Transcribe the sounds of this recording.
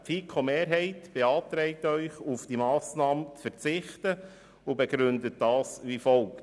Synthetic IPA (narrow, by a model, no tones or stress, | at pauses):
pfiːkʰomeːɾɦɛɪtb̥eɑːt̪ɾɛɪtœʏχufd̥imɑːsnɑːmt͡sfəɾt͡sɪχtə | ʊbeɡɾʉndət̚dɑːsʋifɔlk